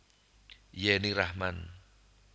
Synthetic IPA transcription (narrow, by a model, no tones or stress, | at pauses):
jɛnirahman